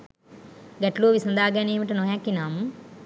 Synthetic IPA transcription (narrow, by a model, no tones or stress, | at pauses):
ɡɐʈloːʋisnd̪aːɡaːniːmiʈɐnoːjaːkːinaːmu